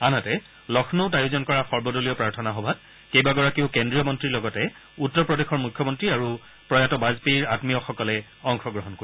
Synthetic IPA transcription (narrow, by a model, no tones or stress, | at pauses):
anatɛ | lɔxʰnɔʊt̬ajuzɔnkɔɹaxɔɹbɔdolijɔpɹaɹtʰɔnaɦɔbʱat̚ | kejbaɡɔɹakiʊkendɹijɔmɔntɹilɔɡɔtɛ | utːɔɹpɹɔdexɔɹmukʰːjɔmɔntɹiaɹu | pɹɔjatɔbazpiɹatmijɔxɔkɔlɛ | ɔŋxɔɡɹɔɦɔnkoi